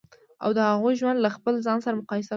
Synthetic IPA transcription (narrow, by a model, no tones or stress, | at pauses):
a̰wd̪əhaɣojʒwand̪laxpəlzɑnsaɾamʊqɑjɪsa